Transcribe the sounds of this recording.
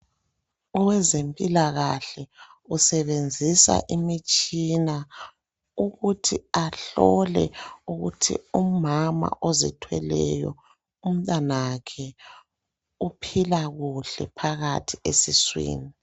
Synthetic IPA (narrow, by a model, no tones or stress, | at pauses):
ɔwɛzempʼilaɣaɬɛ | usɛβend͡zʱisa̰ʔimit͡ʃʼina | uɣutʰiaɬɔlɛuɣutʰḭumama̰ʔozitʰwɛlɛ̰jɔ̰ | um̩tʼanakʰɛ | upʰilaɣuɬɛpʰaɣatʰiesiswḭːni